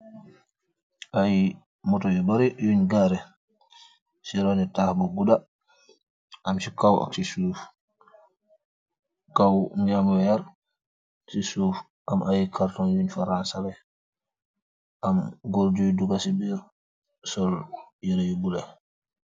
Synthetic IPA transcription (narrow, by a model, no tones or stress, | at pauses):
ʔaji | mɔtɔjubaɾijuɲɡaɾɛ | siɾɔnɛtahbɔɡuda | ʔamsikawa̰ksisuf | kawɲamwɛjaɾ | sisuf | ʔamʔajikʰaɾtɔnjuɲfaɾansaɾɛ | ʔamɡoɾd͡ʒujduɡasibiɾ | sɔljiɾajubulɛ